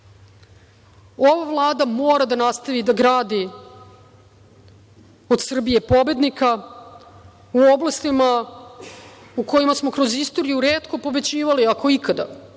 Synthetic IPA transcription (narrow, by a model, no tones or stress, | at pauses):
o̞ʋaʋlˠaːd̪amoːɾad̪anast̪aʋid̪aɡɾaːd̪i | od̪sr̩bije̞po̞be̞d̪nika | uo̞blˠast̪ima | uko̞jimasmo̞kɾo̞zist̪o̞ːɾijuɾe̞ːt̪ko̞po̞be̞t͡ɕiːʋaliako̞ikad̪a̰